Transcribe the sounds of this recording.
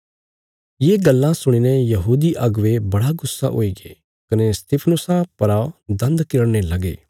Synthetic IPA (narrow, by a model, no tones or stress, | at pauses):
jeːɡɐlːãsʊɽ̃iːnejɐɦuːd̪iʔɐɡʋebɐɽaɡʊsːa̰ʔo̰ːiɡe | kɐnest̪ɪpʰnʊsapɐɾaod̪ɐ̃nd̪kɪɽñelɐɡḛː